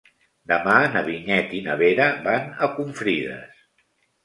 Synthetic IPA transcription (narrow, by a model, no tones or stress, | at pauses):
d̪əmanəβiɲɛt̪inəβeɾəbanəkuɱfɾiðə̰s